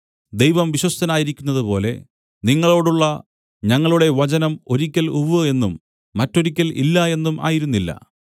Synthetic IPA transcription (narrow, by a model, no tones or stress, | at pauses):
d̪e̞jʋɐmʋiɕwɐst̪ɐnaːjiɾikʲːunːɐðɨpo̞ːle̞̰ | niŋːɐɭo̞ːɽuɭːɐ | ɲɐŋːɐɭuɽe̞ʋɐt͡ɕɐnɐmo̞ɾikʲːɐluʋɨe̞nːumː | ɐtːo̞ɾikʲːɐlḭlːɐe̞nːumʔa̰ːjiɾunːilːɐ̰